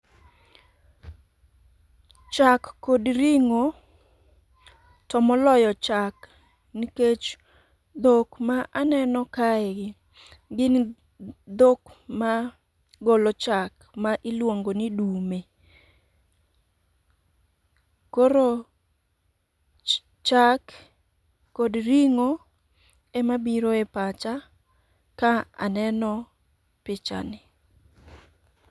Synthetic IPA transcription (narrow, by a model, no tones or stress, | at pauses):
t͡ʃakːodɾiŋo | tɔmɔlɔjɔt͡ʃak | niket͡ʃ | d̪okmaʔanɛnɔkaɛɡɪ | ɡɪn | d̪okma | ɡolot͡ʃak | maʔilwoŋɡonɪdume | koɾo | t͡ʃakː | odɾiŋo | ɛmabiɾoɛpat͡ʃa | kaa̰nɛnɔ | pɪt͡ʃa̰nɪ